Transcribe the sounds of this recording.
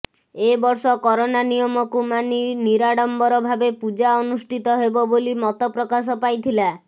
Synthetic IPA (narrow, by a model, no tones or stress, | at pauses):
ebɔɾsɔkɔɾonanijɔmɔkumaniniɾaɽɔmbɔɾɔbʱabepud͡ʒaɔnusʈʰit̪ɔɦebɔbolimɔt̪ɔpɾɔkasɔpajt̪ʰila